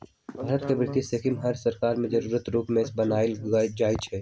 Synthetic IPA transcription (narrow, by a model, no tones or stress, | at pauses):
bʱaːɾət̪kebɾɪt̪ːisekimɦɐɾsɐɾkaːɾmẽd͡ʒɐɾuːɾət̪ɾuːpmẽsbɐnaːld͡ʒaːjt͡ʃʰɛː